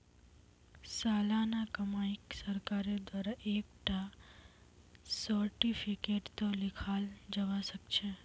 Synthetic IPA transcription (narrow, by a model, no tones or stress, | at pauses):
salanakəmaiksəɾkaɾed̪waɾaʔekʈa | səɾʈifikeʈt̪olikʰald͡ʒəʋaʃəkt͡ʃʰe